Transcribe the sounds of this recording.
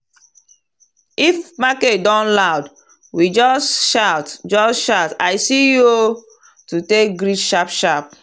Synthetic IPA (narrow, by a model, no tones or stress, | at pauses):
ifmaketdɔ̃nlaʊd | wid͡ʒɔsʃaʊtd͡ʒɔsʃataɪsijo | tutek̚ɡɾiʃapʃap̚